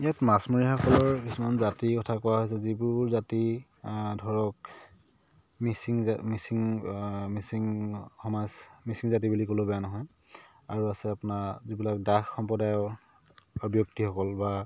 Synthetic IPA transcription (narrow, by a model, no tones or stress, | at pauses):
ijatmasmoɹixɔkɔlɔɹpisimanzatikɔtʰakuwaɦojs̬ɛzibuɹzati | dʱɔɹɔk | misiŋmisiŋmisiŋxɔmasmisiŋzat̬ibulikolobɛjanɔɦɔj | aɹuasɛapʊnaɹzibilak̚daxxɔmpɔdajɔ | ɔbjoktixɔkɔlba